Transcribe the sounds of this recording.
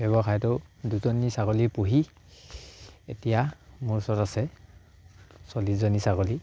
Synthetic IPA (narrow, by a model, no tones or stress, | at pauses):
bɛbɔxajtɔduzɔnisaɡɔlipoɦi | etijamuɹsɔtasɛ | sɔlizɔnisaɡɔli